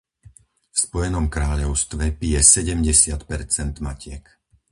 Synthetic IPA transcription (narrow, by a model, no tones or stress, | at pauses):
fspɔjɛnɔmkɾaːʎɔʊst̪ʋɛpijɛsɛɟɛmɟɛsɪat̪pɛɾt͡sɛnd̪macɪɛk